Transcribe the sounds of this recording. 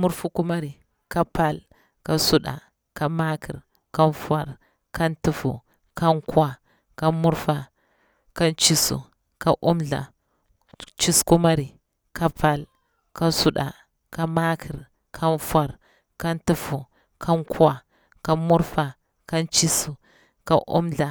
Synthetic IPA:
mu˦ɾfu˦ku˦ma˦ɾi˨ | ka˦pa˦l | ka˦su˦ɗa̰˨ | ka˦ma˦kʰi˨ɾ | ka˦nfa˨ɾ | ka˦ntu˦fṵ˨ | ka˦nkwa˨ | ka˦mu˦ɾfa˨ | ka˦nt͡ʃi˦sṵ˨ | ka˦ʔu˦mɮa̰˨ | t͡ʃi˦sku˦ma˦ɾi˨ | ka˦pa˦˨l | ka˦su˦ɗa̰˨ | ka˦ma˦kʰi˨ɾ | kʰa˦nfa˨ɾ | ka˦ntu˦fu˨ | kʰa˦nka˨ | ka˦mu˦ɾfa˨ | ka˦nt͡ʃi˦su˨ | ka˦ʔṵ˦mɮa˨

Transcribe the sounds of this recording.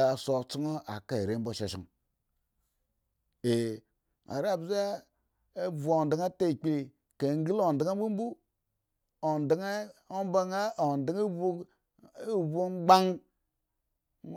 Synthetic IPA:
so˨t͡si˦ŋo˦a˨ka˦˨e˨ɾe˦m˦bo˦ʃa˨ʃḭ˨ŋ | e˨ | ŋa̰˨ɾa˦˨bza˦ | e˦vu˨o˨ndi˨ŋa˦te˦˨k͡pi˦li˨ | ke˨ŋ˦ɡi˦lo˨n˨di˦ŋa˦bu˦m˦bu˦ | o˨ndi˦ŋa˦o˦ba˦ŋa˦o˨n˨di˦ŋe˦bu˦ | bu˦ɡ͡ba˦ŋ

